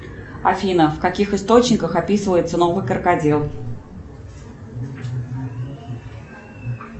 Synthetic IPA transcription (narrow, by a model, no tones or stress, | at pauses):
ɐfʲinəfkɐkʲixɨst̪o̞t͡ɕnʲɪkəxɐpʲisɨvəjɪt̪səno̞vɨjkərkadʲelˠ